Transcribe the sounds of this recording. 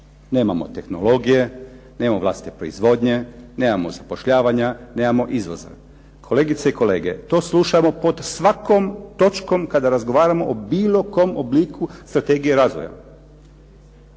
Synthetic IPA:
ne̞ːmamo̞̰t̪e̞xno̞lo̞ɡije̞ | neːmoʋlˠa̰ːsi̥t̪e̥pɾo̞̰izʋo̞ːd̪ɲe̞ne̞ːmamozapo̞ʃʎaːʋaɲane̞ːmamo̞ʔizʋoza̰ | kʰoleɡit̪seiko̞le̞ːɡe̞̰t̪o̞ːsluʃamo̞po̞d̪sʋakomt̪o̞t͡ʃko̞mkad̪aɾazɡoʋaːɾamo̞̰ʔobiːlˠo̞ko̞mobliːkust̪ɾat̪e̞ːɡijeɾaːzʋoja̰

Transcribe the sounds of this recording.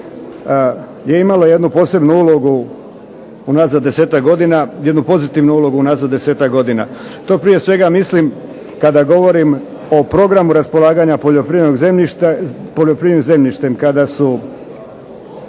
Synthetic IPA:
je̞imalo̞je̞d̪nupo̞ːse̞bnuulo̞ɡu | unaːzad̪ːe̞se̞ːt̪akɡo̞d̪inajed̪nupo̞zit̪iʋnuulo̞ɡuunaːzad̪d̪e̞se̞ːt̪akɡo̞d̪ina̰ | t̪o̞ːpɾije̞sʋe̞ɡamislim | kad̪aɡo̞ʋo̞ɾim | o̞pɾo̞ɡɾamuɾaspo̞lˠaːɡaɲapoʎopɾiʋenoɡzemiʃt̪poʎopɾiʋenoze̞mʎiʃt̪emkad̪asu

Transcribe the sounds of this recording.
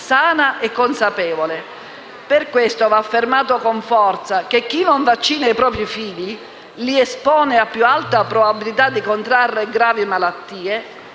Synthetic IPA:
saːnaʔɛkːonsapɛːvole | perkwest̪ovaːfːermaːt̪okoɱfɔrt̪sak̟ek̟ːinoɱvat͡ʃːiːnajpɾɔːpɾifiʎːi | liɛspɔːneapːjualt̪apːɾobabilit̪ad̪ːikont̪ɾarːeɡɾaːvimalat̪ːiːe

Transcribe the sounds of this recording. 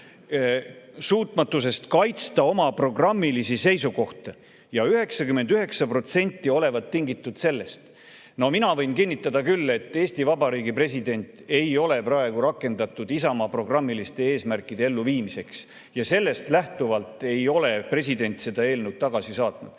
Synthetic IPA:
suːt̪ˑmɑt̪ːˑusest̪kɑjt̪st̪ɑo̞mɑpro̞ɡ̥rɑmːilisise̞jsuko̞ht̪ɑ | jɑyɦe̞ksɑkymːe̞nd̪yɦe̞ksɑpro̞t̪se̞nʲt̪ːˑio̞le̞vɑt̪ːiŋɡit̪ːˑud̪̥se̞lːe̞st̪ | no̞minɑvɤjnkinʲːit̪ːˑɑd̪ɑkylːe̞t̪ːeːsʲt̪ivɑbɑɾiːɡipre̞sid̪e̞nʲt̪ˑe̞jo̞le̞prɑeɡ̥uɾɑkːˑe̞nd̪̥ɑt̪ːˑud̪̥isɑmɑpro̞ɡ̥rɑmːilist̪e̞eːsmærkːˑid̪̥e̞e̞lːuviːmise̞ks | jɑse̞lːe̞st̪læht̪uvɑlt̪ˑe̞jo̞le̞pre̞s̬ʲid̪e̞nʲt̪se̞d̪̥ɑe̞ːlnewd̪̥̚t̪ːɑɡ̥ɑsisɑːt̪nud̪̥

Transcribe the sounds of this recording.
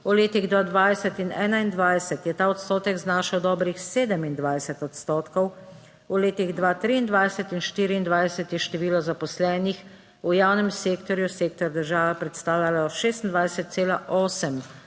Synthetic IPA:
ɔleːt̪iɣd̪ʋaːd̪ʋaːjsɛt̪inɛːnaind̪ʋajsɛt̪jɛt̪aːɔt̪st̪oːt̪ɛɡznaːʃɛwd̪ɔːbɾixseːd̪ɛmind̪ʋajsɛt̪ɔt̪st̪oːt̪kɔw | ɔleːt̪iɣd̪ʋaːt̪ɾiːnd̪ʋajsɛt̪inʃt̪iːɾiːnd̪ʋajsɛt̪jɛʃt̪ɛʋiːlɔzapɔslɛːnix | ujaːwnɛmseːkt̪ɔɾjuseːk̚t̪ɔɾd̪əɾʒaːʋɛpɾɛt̪st̪aːwjalaʃeːst̪ind̪ʋajsɛt̪̚seːlaʔɔːsɛm

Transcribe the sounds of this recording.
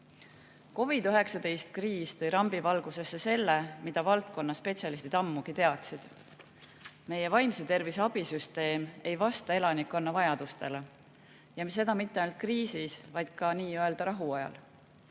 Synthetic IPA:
ko̞vid̪yɦe̞ksɑd̪e̞jst̪̚kriːst̪ɤjɾɑmbivɑlɡ̥use̞sːe̞se̞lːe̞mid̪̥ɑvɑlt̪̚ko̞nːɑspe̞tsjɑlist̪it̪ɑmːuɡ̥it̪e̞ɑt̪sid̪̥ | me̞jevɑjmset̪e̞rvisɑb̥isyst̪e̞ːme̞jvɑst̪ɑe̞lɑnikːˑo̞nːɑvɑjɑd̪̥ust̪e̞le | jɑms̬e̞d̪̥ɑmit̪ːeɑjnult̪̚kriːsisvɑjd̪̥̚kɑniːøe̞ld̪̥ɑɾɑɦuɑjɑ̰l

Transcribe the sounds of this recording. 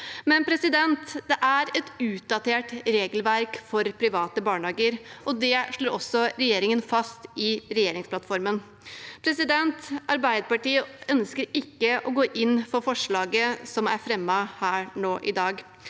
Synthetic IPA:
mɛnpʰɾɛsɪd̪ɛnt̪d̪ɛʔæɾɛt̪ʉːt̪̚d̪ɑt̪ʰeːʈɾeːɡlʋæɾkfɔɾpʰɾɪʋɑːt̪əbɑːɳhɑːɡəɾʔɔd̪ɛʂɭoːɾɔsːɔɾɛjeːɾɪŋənfɑst̪ɪɾɛjeːɾɪŋsplɑt̪fɔɾmən | pʰɾɛsɪd̪ɛnt̪ɑɾbæɪd̪əpɑʈiːəœnskəɾɪkːəʔɔɡoːʔɪnːfɔfɔʂɭɑːɡəsɔmæɾfɾɛmːɑhæːɾɳoːʔɪd̪ɑːɡ

